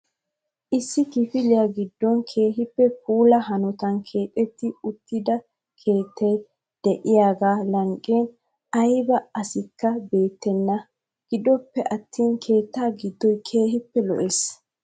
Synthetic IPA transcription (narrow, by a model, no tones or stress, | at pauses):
ʔɪsːɪkɪfɪlɪjaɡɪd̪ːɔnkʰe̞ːɦɪpːɛp̚uːlɐɦɐnɔt̪ɐnkʰe̞ːt̪ʼːɛt̪ːɪʊt̪ːɪd̪ɐ | kʰe̞ːt̪ʰːɛj | d̪̥ɛʔɪjaːɡaːlɐŋkʼːeːn | ɐjbɐɐsɪkːɐbe̞ːt̪ːɛnːɐ | ɡ̥ɪd̪ɔpːɛʔɐt̪ːiːnkʰe̞ːt̪ːaːɡɪd̪ːɔjkʰe̞ːɦɪpːɛlɔ̰ʔes